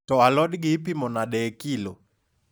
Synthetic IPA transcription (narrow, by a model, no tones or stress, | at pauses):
tɔalɔɗiɡipimɔnaɗɛkilɔ